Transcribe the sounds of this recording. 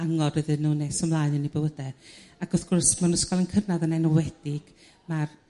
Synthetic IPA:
aŋɔd̥wɨðɨnːuːnesɔmlˠaːjnənibəwədɛaɡ̥ʊθɡʊrsmanʊskalˠənkʰənaðənɛnɔwɛd̥ɪɡ̥ | mar

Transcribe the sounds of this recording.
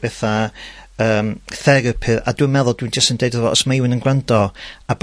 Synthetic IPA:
b̥ɛθa | əːmθɛɾəpʰɨɾa̰dwinmɛðʊlˠd̥wind͡ʒəstəndejdɔvɔʔɔsmaɪwɪnənɡrandɔab

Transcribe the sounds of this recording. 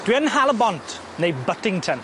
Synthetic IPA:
d̥wiənɦalˠəbɔntʰ | nejbətɪ̃ŋtʰə̃n

